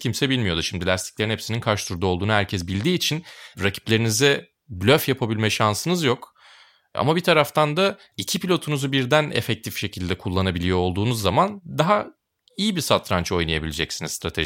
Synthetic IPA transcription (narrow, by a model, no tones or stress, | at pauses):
cʰimsɛbilʲmijo̞d̪uʃimd̪ilʲast̪ʰi̥clʲeɾnhɛsininkʰaɾʃt̪ʰuɾd̪uo̞lˠd̪uːnuɦæɾcʰɛs̬bilʲd̪iːt͡ʃʰinɾacʰi̥plʲe̞ɾinizɛ | blʲøfjapʰabilʲmɛʃansɯnɯzjo̞k | a̰mabit̪ʰaɾaft̪ʰand̪a | icʰipilʲo̞t̪ʰunuzubiɾd̪ænḛfɛc̚t̪ʰifʃe̞cʰilʲd̪ɛkʰulˠːanabilʲijo̞ːlˠd̪uːnuzːamand̪aɦa | ijibisat̪ʰɾant͡ʃo̞jnajabilʲed͡ʒɛcsinizst̪ʰɾat̪ʰḛ